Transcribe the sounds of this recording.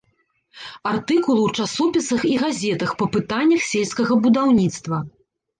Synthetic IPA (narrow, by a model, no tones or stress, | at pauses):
art̪ɨkulˠuwt͡ʂasɔpʲisɐxiɣazʲɛt̪ɐxpɐpɨt̪anʲːɐxsʲelʲskɐɣɐbud̪awnʲit̪st̪vɐ